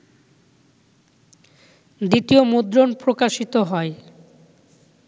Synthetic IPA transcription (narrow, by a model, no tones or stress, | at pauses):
d̪it̪iomod̪ɾonpɾokaʃit̪oɦɔe